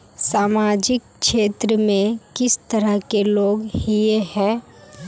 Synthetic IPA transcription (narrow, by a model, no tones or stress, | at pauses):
saːmaːd͡ʒɪk | ʃeːt̪ɾəmẽkɪst̪əɾəkeloːɡhiehɛ̃ː